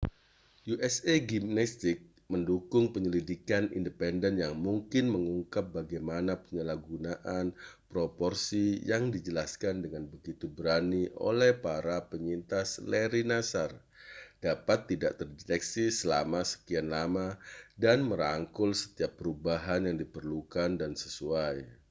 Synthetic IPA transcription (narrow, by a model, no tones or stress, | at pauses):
juʔɛseɡimnɛst̪ɪk̚ | məndukʊŋpəɲəlidikanḭndəpɛndɛnjaŋmuŋkɪnməŋuŋkap̚baɡajmanapəɲəlahɡunaʔanpɾopɔrsijaŋdid͡ʒəlaskandəŋanbəɡit̪ubəɾaniʔo̰lɛhpaɾapəɲint̪asleɾinasar | d̥apat̪ːidaʔt̪ərdet̪ɛksisəla̰masə̥kianlamadanməɾaŋkʊlsə̥t̪iapːəɾubaɦanjaŋdipərlukandansə̥suaj